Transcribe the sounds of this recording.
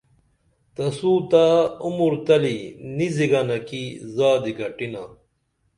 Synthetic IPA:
t̪ɐsuːt̪aːumuɾt̪ɐliniziɡanɐkizaːd̪iɡɐʈina

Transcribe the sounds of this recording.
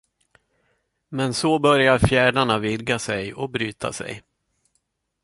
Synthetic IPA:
mɛnsɔbœɾjaɾfjæːɖaɳavɪd̪ɡasɛjɔbɾyːt̪ʰa̰sɛ̰j

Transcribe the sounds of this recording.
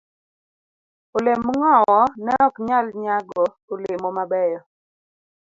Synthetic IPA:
olemːŋɔwɔnɛɔkɲalɲaɡɔ | olemɔmabɛjɔ

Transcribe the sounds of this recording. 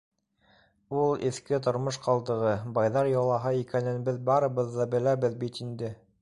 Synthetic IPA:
ulˠɘ̰̆θkɘt̪̬ŏɾmoʃqɑlˠd̪ɤ̆ʁɤbɑjðɑɾjɑlˠɑɦɑikænɘ̆nbɘðbɑɾɤ̆βɤ̆ðːɑbɘ̆læβɘðbit̪ind̪ɘ

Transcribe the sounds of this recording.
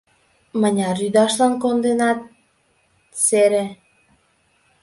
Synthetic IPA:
mənʲɑɾyd̪ɑʃlɑnkond̪enɑt̪̚ | seɾe

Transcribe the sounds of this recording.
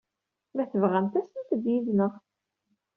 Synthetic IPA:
mæθəvʁænt̪æsənt̪əd̪jiðnəʁ

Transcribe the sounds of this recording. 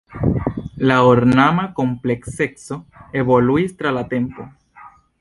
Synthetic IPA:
laoɾnamako̞mple̞ksekso̞e̞βo̞luistɾalate̞mpo̞

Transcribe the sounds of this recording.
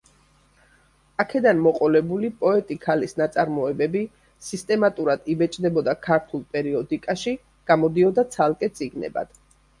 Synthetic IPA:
akʰɛd̪anmɔqʼɔlɛbulipʼɔɛt̪ʼikʰalisnat̪sʼaɾmɔɛbɛbi | sist̪ʼɛmat̪ʼuɾad̪̥ibɛt͡ʃʼd̪ɛbɔd̪akʰaɾt̪ʰulˠpʼɛɾiɔd̪ikʼaʃi | ɡ̥amɔd̪iɔd̪at̪sʰalˠkʼɛt̪sʼiɡnɛ̰ba̰d̪̥

